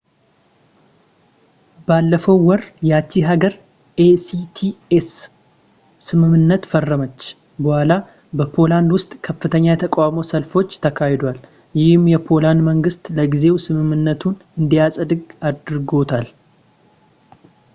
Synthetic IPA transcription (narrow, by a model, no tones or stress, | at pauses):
balːəfəwːɔɾjɛat͡ʃːiɦaɡəɾ | ʔesit̪ʰiesː | ɨmɨmːɨnːət̪fərːəmət͡ʃː | bəhʷala | bəpʰo̞land̪wʊst̪ʼkʰəfːɨt̪ʰəɲːajɛt̪ʰəkʼamo̞səlfo̞t͡ʃːt̪ʰəkʰahed̪wal | jɪhɨmjɛpʰo̞land̪məŋɡɨst̪ʼləɡize̞wsɨmɨmːɨnːət̪ʰunɨnd̪ijasʼd̪ɨɡad̪ɾɡo̞t̪ʰal